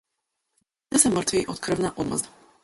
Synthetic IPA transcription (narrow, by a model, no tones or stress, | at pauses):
nɛsɛmrt̪viʔɔt̪kr̩vnaʔɔd̪mɔ̰zd̪